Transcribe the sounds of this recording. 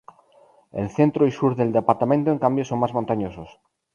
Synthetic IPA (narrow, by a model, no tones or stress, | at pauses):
elθent̪ɾoisuɾðeld̪epaɾt̪amẽnt̪oeŋkambjosoŋmazmõnt̪aɲosos